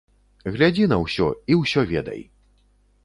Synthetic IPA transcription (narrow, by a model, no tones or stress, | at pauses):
ɣlʲad͡zʲinɐwsʲɔiwsʲɔvʲɛd̪ɐ̰j